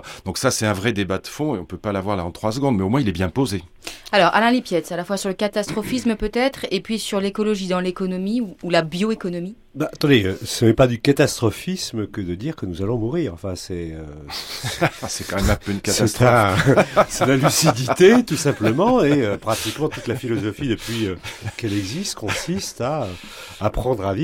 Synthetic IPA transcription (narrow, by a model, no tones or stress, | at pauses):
d̪̥ɔ̃ksasɛt̪ɛ̃vʁɛd̪ebad̪əfɔ̃eɔ̃pøpalavwaʁlaɑ̃t̪χwas̬əɡɔ̃d̪mɛomwɛ̃ilɛbjɛ̃poze | alɔʁʔa̰lɛ̃lipjɛt̪salafwasyʁləkat̪ast̪χɔfisməpøt̪ɛt̪χepɥisyʁlekɔlɔʒid̪ɑ̃lekɔnɔmiuːlabjoekɔnɔmi | baat̪ɑ̃d̪eøsnɛpad̪ykat̪ast̪χɔfisməkəd̪əd̪iʁkənuzalɔ̃muʁiʁɑ̃fɛ̃sɛø | sɛkmɛmɛ̃øynksɛt̪ɛ̃ | sɛnalysid̪it̪et̪usɛ̃pləmɑ̃eøpχat̪ikmɑ̃t̪ut̪lafilɔzɔfid̪əpɥiøkɛlɛɡzist̪kɔ̃sist̪aøː | pχɑ̃d̪ʁavi